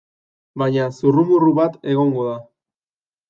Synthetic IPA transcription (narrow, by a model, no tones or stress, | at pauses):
baɲasurumuruβat̪e̞ɣo̞ŋɡo̞ða